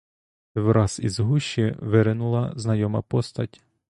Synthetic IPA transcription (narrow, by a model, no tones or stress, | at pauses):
ʋɾɑzḭzɦuʃiʋɪɾɪnʊlˠɐznɐjɔmɐ̰pɔst̪ɐtʲ